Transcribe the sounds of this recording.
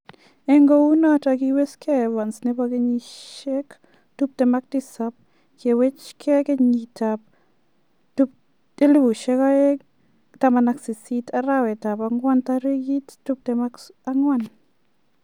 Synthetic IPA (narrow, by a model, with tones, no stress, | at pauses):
eŋɡo˦u˦na˦taki˧we˦skʰɛ˦wa˨nsne˦pake˦ɲi˧ʃe˦k | tu˦p̚te˨ma˦k̚ti˦sap̚ | ke˨we˦t͡ʃkʰɛ˦ke˦ɲitap̚ | tup̚ | te˦lu˦bu˨ʃɛ˦kae˦ | ta˨ma˨na˨ksi˨si˦tʰaɾa˦we˨ta˨pa˧ŋwa˦ntaɾe˦ɡi˦ttu˦p̚tɛmaa˦ŋwan